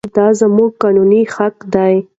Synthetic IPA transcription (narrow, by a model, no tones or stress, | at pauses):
d̪ɑzəmuɡ̚kɑnunixakd̪aj